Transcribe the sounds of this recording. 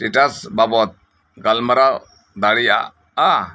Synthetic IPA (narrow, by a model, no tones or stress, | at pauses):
ʈiʈasbabɔt̪̚ | ɡalməɾa | d̪aɽija̰ | a